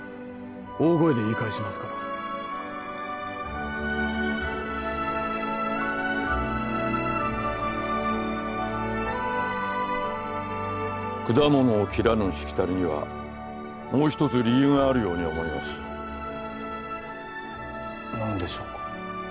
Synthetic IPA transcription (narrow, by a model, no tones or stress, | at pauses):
oːɡo̞ed̪e̞iːkaiɕimasɨ̥ka | kɯ̟d̪amo̞no̞ːkʲiɾanɯɕi̥kʲi̥t̪aɾʲiɲ̟iβa̰ | mo̞ːçi̥t̪o̞t͡sɨɾʲijɯ̟ːŋaːɾɯ̟jo̞ːɲ̟io̞mo̞imasɨ̥ | nand̪e̞ɕoːkḁ